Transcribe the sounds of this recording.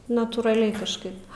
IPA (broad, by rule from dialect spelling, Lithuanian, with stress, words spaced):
nɐtuːrɐˈlʲɛɪ kɐʃˈkɐɪp